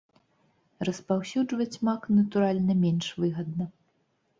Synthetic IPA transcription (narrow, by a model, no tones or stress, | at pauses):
rɐspawsʲud͡ʐvɐt͡sʲmaknɐt̪uɾalʲnɐmʲɛnʂvɨɣɐd̪nɐ